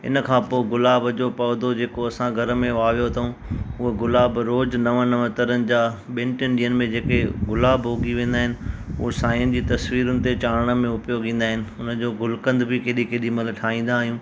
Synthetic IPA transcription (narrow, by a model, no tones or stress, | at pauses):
ɪ̰nəkʰãːpoːɪɡʊlaːbəd͡ʑopɐːd̪od͡ʑeːkoɐsãɡʱɐɾə̆mẽʋaːʋijot̪ʰɐũʊɦeɡʊlaːbɾoːd͡ʑnɐʋənɐʋət̪ɐɾənɪ̆d͡ʑaːɓɪ̃ːɳʈɪnɗijənɪ̆mẽd͡ʑeːkeɡʊlaːbɦoːɡiʋẽːn̆d̪aːɦɪnɪ̆ʊɦesaːjʊnɪ̆d͡ʑiːt̪ɐswiːɾʊnɪ̆t̪et͡ɕaːɾəɽ̃ə̆mẽʊpijoɡĩːn̆d̪aːɦɪnɪ̆ʊnə̆d͡ʑoːɡʊlkə̃nd̪bʱikeːɗikeːɗimɐlʈʰaːĩːn̆d̪aːɦijũː